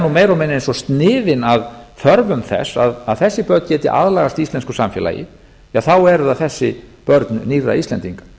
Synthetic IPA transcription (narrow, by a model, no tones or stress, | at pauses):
numeːjɾɔwmɛnːensɔst̪nɪːðɪnaðθœɾvʏmθɛ̰sːa̰ðaðθɛsːɪpœɾt̪n̥cɛːt̪ɪ̰ʔa̰ðlaːɣast̪ist̪ɛnskʏsamfjɛ̰la̰jɪ̰ | aθawɛɾʏðaθɛsːɪpœɾt̪nʏniɾa̰ist̪lɛ̰nt̪iŋkḁ